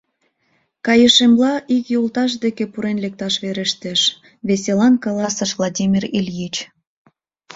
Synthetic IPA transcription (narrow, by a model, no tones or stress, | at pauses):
kɑjə̆ʃemlɑʔikjolt̪ɑʃ̬d̪ekepuɾenlek̚t̪ɑʃβeɾeʃt̪eʃ | βeselɑnkɑlɑsə̆ʃvlˠadʲimʲirelʲjit͡ɕ